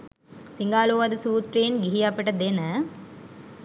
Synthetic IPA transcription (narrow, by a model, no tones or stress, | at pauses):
siŋɡaːloːʋad̪əsuːt̪ɾejenɡiɦiɐpəʈəd̪enə